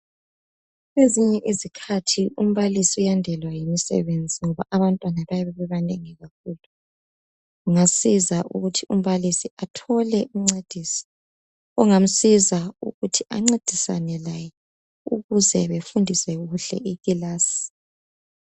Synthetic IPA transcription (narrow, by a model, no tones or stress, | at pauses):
ɣeziɲɛʔizikʰatʰium̩βalisiujandʱɛlwajimisɛ̰βend͡zʱiŋɔβaʔaβantʼwanaβajaβɛβɛβaneŋɛɣak̚uːlu | uŋasizaʔṵɣutʰium̩βalisiatʰɔlɛʔuŋ͡ǀed̥ʱiːsɔ̥ | uŋam̩sizaṵɣutʰiʔa̰ŋ͡ǀed̥ʱisa̰nɛlajɛ | ṵɣuzɛβefundʱisɛɣuɬɛ̰ʔiɣilaːsi̥